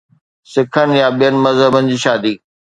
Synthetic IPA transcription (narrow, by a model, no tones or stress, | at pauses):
sɪkʰənɪ̆jaɓijənɪ̆mɐzɦəbənɪ̆d͡ʑiːʃaːd̪iː